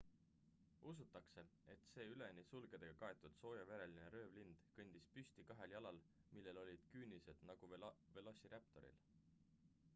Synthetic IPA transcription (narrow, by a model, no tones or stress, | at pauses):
us̬ut̪ːˑɑkse̞e̞t̪se̞ːyle̞nisulɡe̞d̪̥e̞ɡ̥ɑkɑe̞t̪ːˑud̪̥so̞ːjɑve̞ɾe̞line̞ɾø̞ːvlind̪̥kɤnʲd̪̥ispysʲt̪ikɑɦe̞ljɑlɑl | milːe̞lo̞lʲid̪̥kyːnise̞d̪̥nɑɡ̥uve̞losiɾep̚t̪o̞̰ɾḭl